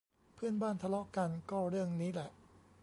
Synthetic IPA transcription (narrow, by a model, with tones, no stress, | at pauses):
pʰɯ˥˩ənbaː˥˩nt̪ʰa˧lɔ˦˥ʔka˧nkɔː˥˩ɾɯ˥˩əŋniː˦˥lɛ˨˩ʔ